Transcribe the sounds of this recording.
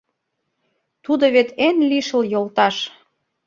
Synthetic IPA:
t̪ud̪oβet̪enliʃə̆ljolt̪ɑʃ

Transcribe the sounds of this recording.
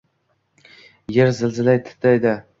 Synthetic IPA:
jeɾzɪlzɪlajt̪ʰɪ̥t̪ʰːajd̪a

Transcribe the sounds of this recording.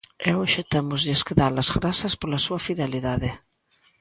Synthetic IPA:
eoʃat̪emʊzðɪskeðaɾlɐzɣɾasɐspolɐsuɐfiðeliðaðɪ

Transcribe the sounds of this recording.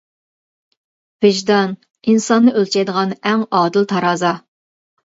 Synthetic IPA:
v̥ɪʒd̪ɑn | insɑnːɨʔølt͡ʃʰɛjd̪əʁɑnɛŋɑːd̪ɨlˠt̪ʰɑɾɑːzɑ

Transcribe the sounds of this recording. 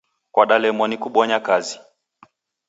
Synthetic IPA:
kwaɗalɛmɔnikuɓɔɲakazi

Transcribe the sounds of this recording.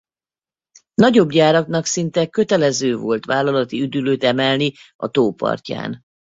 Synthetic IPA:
nɒɟo̞bɟaːɾɒknɒksint̪ɛkø̞t̪ɛlɛzøːvo̞lt̪ʋaːlːɒlɒt̪iyd̪yløːt̪ɛmɛlni | ɒ̰t̪oːpɒ̰rca̰ːn

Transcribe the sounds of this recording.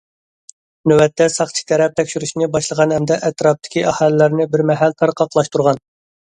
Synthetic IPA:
nøwɛt̪ːɛsɑχt͡ʃʰɪ̥k̪ʲɛɾɛp̚t̪ʰɛkʲʃyɾyʃnɪbɑʃlˠəʁɑnhɛmd̪ɛʔɛt̪ɾɑp̚t̪ʰɪ̥kʲiʔɑhɑlɪlæɾnɪbɪɾmɛɦælt̪ʰɑɾqʰɑqʰlˠɑʃt̪uɾʁɑn

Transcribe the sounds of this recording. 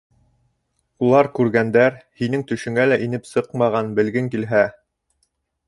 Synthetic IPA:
ulˠɑɾkʉɾɡænd̪æɾhinɘŋt̪ɵ̆ʃɵ̆ŋælæʔinɘpsɤqmɑʁɑnbɘ̆lɡɘŋkilɦæ

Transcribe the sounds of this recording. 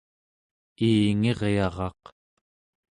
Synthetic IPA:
iːŋe̞ʁjɑʁɑq

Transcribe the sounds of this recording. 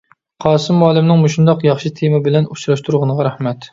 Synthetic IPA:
qʰɑːsɨmɑːlˠɪmnɪŋmuʃund̪ɑqjɑχʃit̪ʰemɨbɪlɛnut͡ʃɾɑʃt̪ʰuɾʁənəʁɑɾɛhmɛt̪

